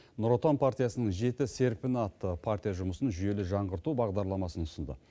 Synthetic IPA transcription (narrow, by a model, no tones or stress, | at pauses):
nʊɾot̪onpʰart̪ijasənəɴʒe̞t̪ɪse̞ɾpɪnat̪ːəpʰart̪ijaʒʊməsənʒʏje̞lɪʒɑɴʁəɾt̪ubɑʁd̪ɑɾlˠɑmɑsənʊsənd̪ə̰